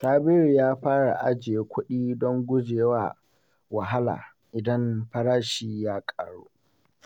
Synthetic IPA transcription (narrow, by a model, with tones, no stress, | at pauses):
saː˦bɪ˦ɾjaː˦ɸaː˦ɽa˨ʔa˦d͡ʒɪ˨e˨kʷʰʊ˦ɗiː˦dɔ˦ŋɡʷʊ˦d͡ʒeː˨waː˦ | wa˨ɦa˦la̰ː˨ | ʔɪ˨dɐ˦mɸɐ˦ɽaː˦ʃiː˦jaː˦kʼa̰ː˨ɽuː˦